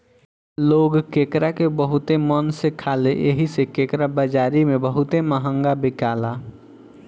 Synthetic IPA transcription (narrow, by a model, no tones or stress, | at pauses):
loɡkekɾakebəɦut̪emənsekʰaleʔḛɦisekekɾabəd͡ʒaɾimebəɦut̪eməɦəŋɡabikala